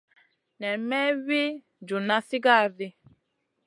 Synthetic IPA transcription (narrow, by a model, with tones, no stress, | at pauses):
nɛ˨mɛ˦we˦ | d͡ʒu˨na˦si˦ɡa˦˨ɾi˦